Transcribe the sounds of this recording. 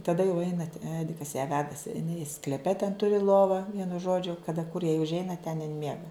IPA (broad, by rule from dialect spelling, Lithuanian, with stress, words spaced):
tɐˈdɐ jɛʊ ˈɛɪnɐt ˈæːdʲɪkɐs jæː ˈʋʲæːdɐsʲɪ ɪˈnɐɪ sklʲɛˈpʲɛ tʲɛn ˈtʊrʲɪ ˈlˠoːʋɑː ˈʋʲiɛnʊ ˈʒoːd͡ʒʲʊ kɐˈdɐ kʊr jɛɪ ʊʒʲˈɛɪnɐ tʲɛn ɪn ˈmʲiɛɡɐ